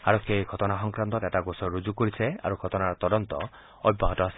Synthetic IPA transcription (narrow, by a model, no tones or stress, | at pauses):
aɾɔkʰːjejɡʱɔt̪ɔnaɦɔŋkɾant̪ɔɾeʈaɡosɔɾud͡ʒukoɾisʰea̰ɾuɡʱɔt̪ɔnaɾɔt̪ɔd̪ɔnt̪ɔ | ɔbibaɦɔtɔasi̥